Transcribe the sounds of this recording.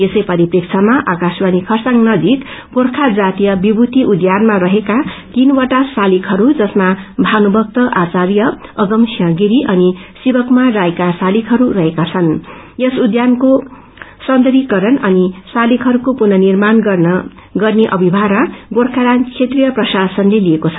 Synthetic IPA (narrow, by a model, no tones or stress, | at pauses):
esʌjpʌɾiprikt͡sʰamaʔakaswanikʰʌrsaŋnʌd͡zik | ɡorkʰad͡zat̪ijʌbibut̪iʔud̪janmaɾʌɦekat̪inwaʈasalikʰɦʌɾud͡zʌsmabʱanubʱʌk̚t̪ʌʔat͡saɾjʌʌɡʌmsiʌ̃ɡiɾiʔʌnisibʌkmarajkasalikʰɦʌɾurʌɦekat͡sʰʌn | jʌsud̪janko | sʌnd̪ʌɾikʌɾʌnʌnisalikʰɦʌɾukopunʌnirman | ɡʌrneʔʌ̰bʱibʱaɾaɡorkʰaɾankʰet̪rijʌprʌsasʌnleliekot͡sʰʌ̥